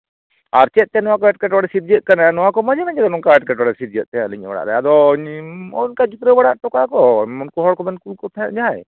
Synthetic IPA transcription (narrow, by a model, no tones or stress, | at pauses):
aɾt͡ʃɛt̪̚ˀt̪ɛnɔwakɔɛʈ̚kɛʈwaɽɛsit̪̚d͡ʒət̪̚kananɔwakɔmad͡ʒanad͡ʒaɡ̪anɔŋkaɛʈkɛʈwaɽɛsit̪̚d͡ʒət̪̚t̪ɛaliɲba̰ɽa̰ʔɾɛad̪ɔɲɔnkad͡ʒut̪ɾəbaɽaʔʈɔkakɔmɔnkɔɦɔɽkɔmɛnkulkɔt̪ʰaaʔd͡ʒaj